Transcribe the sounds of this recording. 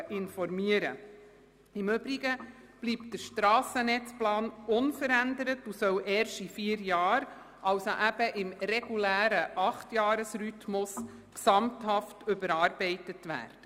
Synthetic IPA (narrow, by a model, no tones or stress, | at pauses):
ʔɪnfɔrmiəɾə̰ | ɪmʏb̥ɾiɡə | b̥liːp̚t̚d̥əɾʃtɾɑːsənɛt͡splɑːnʊnfəɾændəɾətusœwʔɛːɾʃifiːəɾjɑːɾ | ʔɑwsoʔæb̥əʔɪmɾɛɡ̥ulæːɾəʔɑχtjɑːɾəsrytmʊs | ksɑmthɑftʏbəɾɑːrb̥ɛɪtətʋæ̰ːrd̥ə